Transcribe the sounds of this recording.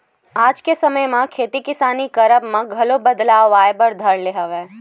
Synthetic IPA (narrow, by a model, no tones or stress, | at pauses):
aːd͡ʒkesɐməjmãkʰeːt̪ikɪsaːnikɐɾəbmãɡʱɐlobɐd̪laːaːebəɾd̪ʱəɾleɦɐʋeː